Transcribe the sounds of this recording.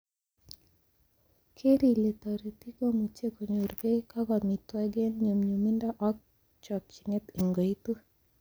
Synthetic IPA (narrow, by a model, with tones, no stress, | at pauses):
kʰe˦ɾi˨le˨t̪a˨ɾi˨t̪i˦ko˦mu˨t͡ʃe˦ko˨ɲo˨ɾbe˦ka˦ɡɔ˨mi˨t̪wɛ˦ɡe˦nɲo˨mɲu˨mi˦nda˦ʔɔ˦k̚ | t͡ʃɔ˨k̚t͡ʃi˨nɛ˦t̪i˨ŋɡo˨i˦t̪u˦